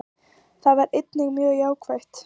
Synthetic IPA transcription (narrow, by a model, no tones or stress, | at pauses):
θaðvaɾɪt̪nɪɣmjœːɣjaːwkʰvajht̪